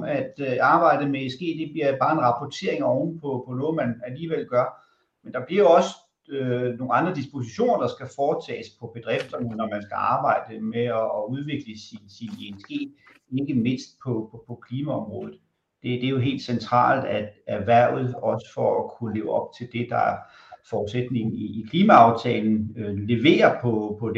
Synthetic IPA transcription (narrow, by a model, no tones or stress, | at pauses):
æd̥ɑ̈ːb̥ɑ̈ɪ̰d̥əmeesɡ̥ḛːd̥e̝b̥liɐb̥ɑ̈ːe̝nʁɑ̈pʰɒt͡sʰe̝ɐeŋɒʊn̩pʰɒ̽pʰɒ̽nɔ̽ːð̩ˠmænæliːʋel̰ɡ̥ɶɐ | mend̥ɑ̈b̥liɐjoɒ̽sə | øno̝ːŋ̩ɑ̈nd̥ʁɐd̥isb̥o̝siɕo̝̰ːnɐd̥ɑ̈sɡ̥æfɒːt͡sʰɛ̰ːspʰɒ̽b̥e̝d̥ʁɛfd̥ɒnɒmænsɡ̥æɑ̈ːb̥ɑ̈ɪ̰d̥əmeɒːuð̞ˠʋe̝ɡ̥ləsinsinensɡ̥e̝̰̥ː | e̝ɡ̥əme̝n̰sd̥̚pʰɒ̽pʰɒpʰɒ̽kʰliːmæɒ̽mʁɔ̽ːðð̩ˠ | d̥e̝d̥e̝æjo̝ɦe̝̰ːld̥sent͡sʰʁɑ̰̈ːld̥æd̥æʋæɐ̰ð̞̩ˠɒ̽sə̥fɒækʰulḛːʊɒ̽b̥̚t͡sʰe̝ld̥e̝d̥ɑ̈æɐ | fɒːd̥sed̥ne̝ŋn̩iːkʰliːmæɑ̈ʊt͡sʰɛːln̩øle̝ʋe̝̰ːɐpʰɒ̽pʰɒ̽d̥e